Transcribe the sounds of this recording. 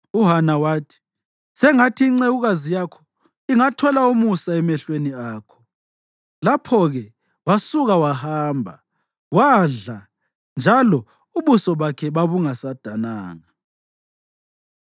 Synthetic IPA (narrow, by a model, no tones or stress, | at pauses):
uɦanawaːtʰi̥ | sɛŋatʰiːŋ͡ǀeɣuɣazijakʰɔ̥ | iŋatʰɔlaumusaɛmɛɬweniaːkʰɔ̥ | lapʰɔɣɛ | wasuɣawahaːmbʱa̰ | waɮa | nd͡ʒʱalɔ | uβusɔβakʰɛβaβuŋasad̥ʱana̰ːŋa